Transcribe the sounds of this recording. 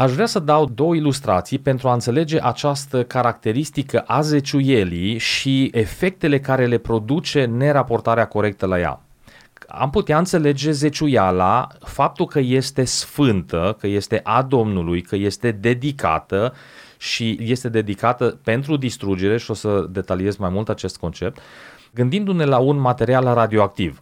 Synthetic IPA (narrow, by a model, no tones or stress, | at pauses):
aʃvɾeasəd̪awd̪o̞wəilust̪ɾa̰t̪sijpe̞nt̪ɾuaɨnt̪se̞le̞d͡ʒe̞ʔat͡ʃast̪əkaɾak̚t̪e̞ɾist̪ikəʔaze̞t͡ʃuje̞liʃiefe̞k̚t̪e̞le̞kaɾe̞le̞pɾo̞d̪ut͡ʃe̞ne̞ɾapo̞rt̪aɾeako̞ɾe̞k̚t̪əlaja̰ | a̰mput̪eaɨnt̪se̞le̞d͡ʒe̞ze̞t͡ʃujala̰fap̚t̪ulkəje̞st̪e̞sfɨnt̪əkəje̞st̪e̞ʔad̪o̞mnulujkəje̞st̪e̞d̪e̞d̪ika̰t̪ə | ʃije̞st̪e̞d̪e̞d̪ikat̪əpe̞nt̪̬ɾud̪ist̪ɾud͡ʒe̞ɾe̞ʃio̞səd̪e̞t̪alie̞zmajmult̪at͡ʃe̞st̪̚ko̞nt͡ʃe̞p̚t̪ | ɡɨnd̪ind̪une̞launmat̪e̞ɾialrad̪io̞ak̚t̪iv